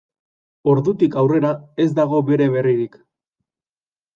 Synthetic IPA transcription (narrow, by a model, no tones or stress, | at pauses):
o̞ɾðut̪ikawre̞ɾae̞zd̪aɣ̞o̞be̞ɾe̞β̞e̞riɾik